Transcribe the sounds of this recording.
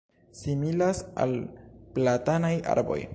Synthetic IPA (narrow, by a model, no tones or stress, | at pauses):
similasa̰lplatanajʔa̰ɾbo̞̰j